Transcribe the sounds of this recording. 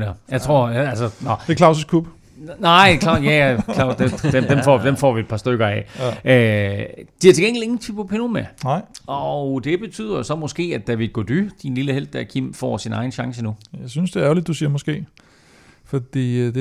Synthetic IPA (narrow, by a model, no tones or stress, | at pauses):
næjɑ̈ɪt͡sʰʁo̝ɐ̰ælsənɒd̥ekʰlɑ̈ʊsuskʰub̥ | nɑ̈ɪ̰dkʰlɑ̰̈ːd̥jæækʰɑʊd̥ed̥ed̥emfɒ̰ːd̥emfɒ̰ːʋied̥̚pʰɑ̈sd̥øɡ̥ɐɛ̰ø | d̥ihɑ̈t͡sʰe̝ɡ̥eŋɡlieŋn̩t͡sʰypopʰenomæʔɒʊd̥e̝b̥e̝t͡sʰy̰ð̰ˠɐsɒ̽mɔ̽sɡ̥e̝̰ːæd̥ːæʋidɡ̥od̥yd̥inliləhel̰d̥ːæɐkʰim̰fɒ̰ːsinɑ̈ɪn̩ɕɑ̈ŋsənujɑ̈ɪsynsd̥e̝ɐæɐlid̥̚ːusiːɐmɔsɡ̥e̝̰ː | fɒd̥ḭːd̥e